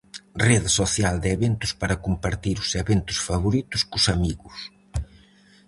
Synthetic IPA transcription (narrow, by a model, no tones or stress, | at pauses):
reðɪsoθjald̪eβent̪ʊspaɾɐkumpaɾt̪iɾʊseβent̪ʊ̥sfaβoɾit̪ʊskʊsamiɣʊs